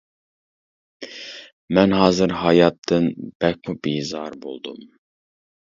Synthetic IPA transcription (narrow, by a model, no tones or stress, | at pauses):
mɛnɦɑːzɨɾɦɑjɑt̪ʰːɨnb̥ɛk̚ʲmubiːzɑɾbo̰lˠd̪ṵm